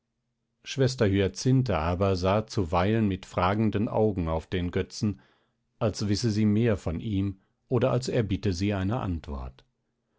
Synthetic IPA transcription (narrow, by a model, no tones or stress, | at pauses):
ʃv̥ɛstɐɦyːɐt͡sɪntəʔaːbɐzaːt͡suvaɪlənmɪtfʁ̥aːɡŋ̩dənʔa̰ʊɡŋ̩aʊfd̥eːnɡœt͡sn̩ | ʔalsvɪsəziːmeːɐfɔnʔiːm | ʔoːdɐʔalsɛɐbɪtəziːaɪnəʔa̰ntv̥ɔ̰ɐt